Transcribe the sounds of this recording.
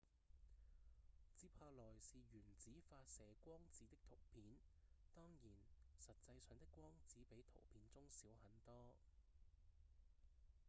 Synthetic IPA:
t͡siː˨˥pʰaː˧lɔː˨˩jsiː˨ɥyː˨˩nt͡siː˨˥faː˧t̚sɛː˨kːʷɔː˥ŋt͡siː˨˥t̪ɪ˥k̚t̪ʰʊ˨˩wpʰiː˨˥n | t̪ɔː˥ŋjiː˨˩nsɐ˨t̚t͡sɐ˧jsœː˨˧˥ŋt̪ɪ˥kːʷɔː˥ŋt͡siː˨˥pe˨˥jt̪ʰo̰˨˩wpʰiː˨˥nt͡sʊ˥ŋsiː˨˥whɐ˨˥nt̪ɔː˥

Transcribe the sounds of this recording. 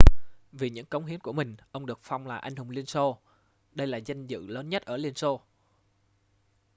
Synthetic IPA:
vi˨˩ɲɨ̰˧˥ŋkə˨˦wŋ͡mɦi˨˦ənku˧˩əmï˨˩ŋ̟ʔə˧wŋ͡mɗɨ˨˩ək̚fa˧wŋ͡mlaː˨˩ʔa˧jŋ̟hʊ˨˩ŋ͡mli˧ənso˧ | ɗə˧jlaː˨˩za˧jŋ̟zɨ̰˧˨ləː˨˦nɲə˦˥t̚ʔəː˧˩li˧ənso˧

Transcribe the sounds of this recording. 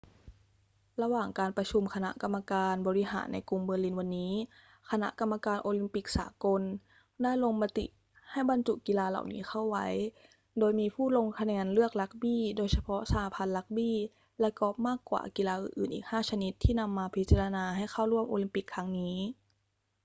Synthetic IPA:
la˧waː˨˩ŋkaː˧npɾa˧t͡ɕʰu˧mkʰa˧na̰˦˥ʔka˧mːa˧kaː˧nbɔː˧ɾi˦˧ɦa̰ː˩˦nːa˧jku˧ŋbɯː˧li˧nwa˧nːiː˦˥ | kʰa˧na̰˦˥ʔka˧mːa˧kaː˧nʔoː˧li˧˥mpi˨˩k̚sa̰ː˩˦ko˧n | daː˥˩jlo˧ŋma˧t̪ḭ˨˩ʔ | ha˥˩jba˧nt͡ɕu˨˩ki˧laː˧la̰˨˩wnḭː˦˥xa˥˩wwa˦˥j | doː˧jmiː˧pʰuː˥˩lo˧ŋkʰa˧nɛː˧nlɯ˥˩ək̚la˦˥k̚biː˥˩doː˧jsa˧pʰɔ˦˥ʔsaː˨˦a˦pʰa˧nla˦˥k̚biː˥˩ | lɛ˦˥kɔ˦˥p̚maː˥˩kːwa̰ː˨˩ki˧laː˧ʔɯ̰ː˨˩nʔɯː˨˩nʔḭː˨˩k̚haː˥˩t͡ɕʰa˧ni˦˥t̪ʰːiː˥˩na˧mːaː˧pʰi˦t̪̚t͡ɕa˧la˧naː˧ɦa˥˩jxʰa˥˩wɾu˥˩əmʔo̰ː˧li˧˦mpi˨˩kʰːa˦˥ŋniː˦˥

